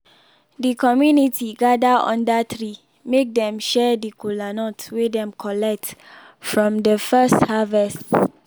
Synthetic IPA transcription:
dikɔmjunitʰiɡadaɔ̰̃ndatɹi | mek̚dɛ̃mʃɛdəkulanɔtswedɛ̃mkʰɔlɛk̚t | fɹɔ̃mdəfɛsthavɛst

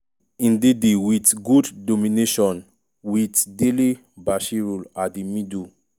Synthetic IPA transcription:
ĩndedewitɡudːomineʃɔ̃n | witdeli | baʃiɹuladimidu

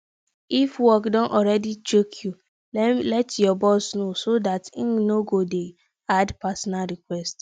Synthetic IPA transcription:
ifwɔkdɔ̃nʔɔɾɛdit͡ʃokʰju | llɛtjɔbɔsnosodatĩŋnoɡode | adpasɔnalɾikwɛst

